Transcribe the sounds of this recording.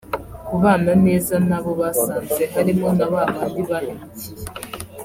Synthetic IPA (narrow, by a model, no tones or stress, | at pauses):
kuβaːnane̞ːzanaβo̞βasaːnzɡeɦaɾimonaβaβandiβahemuci